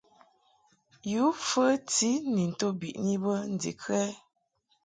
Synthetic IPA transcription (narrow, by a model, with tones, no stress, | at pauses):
ju˨˦fə˦ti˦ni˨n̩˨to˦bḭ˨ʔni˦bə˦n̩˨dḭ˨kɛ˦